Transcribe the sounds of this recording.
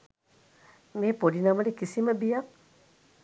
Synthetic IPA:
meːpoɖinaməɖekisiməbija

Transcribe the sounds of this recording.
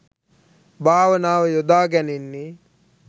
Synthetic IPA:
bʱaːʋɐnaːʋɐjod̪aːɡɛninːi

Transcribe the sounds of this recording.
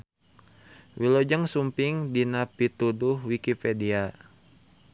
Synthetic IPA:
wilod͡ʒəŋsumpiŋdinapit̪uduhwikipedia

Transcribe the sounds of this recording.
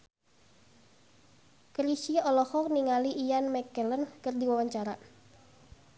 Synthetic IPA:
kɾisiɔlɔhɔk̚niŋaliʔijanmɛkələnkərdiwawaɲt͡ʃaɾa

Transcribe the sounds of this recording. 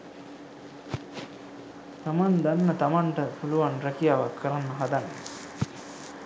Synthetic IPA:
t̪amand̪anːɐt̪amaɳʈəpuluʋanɾɛkijaːʋakʰːəɾanːɐɦad̪anː

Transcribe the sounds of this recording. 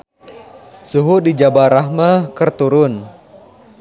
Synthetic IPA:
suɦudid͡ʒabaɾaɦmakərt̪uɾʊn

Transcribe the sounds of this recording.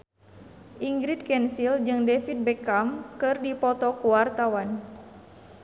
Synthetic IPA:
ʔiŋɡɾit̪̚kɛnsild͡ʒɨŋdɛfit̪̚bɛkamkɨrdipɔt̪ɔkuwart̪awan

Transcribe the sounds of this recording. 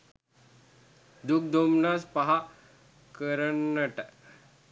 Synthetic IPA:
d̪uk̚d̪ʱomnaːspaɦa | kəɾənːəʈə

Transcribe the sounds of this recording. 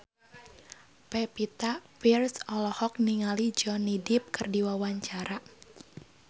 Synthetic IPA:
pɛpit̪apirsɔlɔhɔk̚niŋalid͡ʒɔnidɪp̚kɨrdiwawaɲt͡ʃaɾa

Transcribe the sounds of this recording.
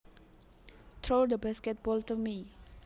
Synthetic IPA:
t̪ʰɹodəbaskɛt̚bɔltumi

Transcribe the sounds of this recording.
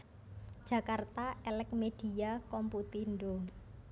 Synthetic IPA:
ʒ̥ä̤kart̪aɛlɛk̚med̥i̤jakɔmput̪inɖo

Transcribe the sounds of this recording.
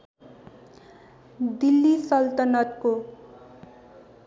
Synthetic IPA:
d̪ilːisʌlt̪ʌnʌt̪ko

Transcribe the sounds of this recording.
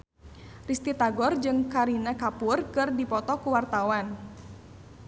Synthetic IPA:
rist̪it̪aɡɔrd͡ʒɨŋkaɾinakapʊrkɨrdipɔt̪ɔkuwart̪awan

